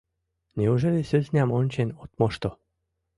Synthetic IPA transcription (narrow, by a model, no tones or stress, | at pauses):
nʲeuʒelʲesøzʲnʲɑmonʲt͡ɕenot̪moʃt̪o